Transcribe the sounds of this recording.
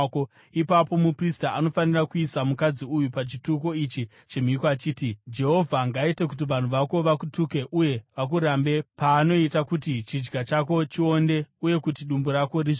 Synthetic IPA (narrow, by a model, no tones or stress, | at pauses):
ko | ipapo̞mupristaʔano̞fanirakuisamukad͡ziujupat͡ʃituko̞it͡ʃi | t͡ʃe̞mikat͡ʃiːtid͡ʒe̞ɦo̞vʱaŋɡaitek̬ut̬iʋan̤uʋako̞ʋakutuke̞ʔuje̞ʋak̬uɾambe̞paːno̞itakutit͡ʃid͡ʒɡat͡ʃako̞t͡ʃio̞ndeuje̞kut̬iɗumbuɾako̞riʐ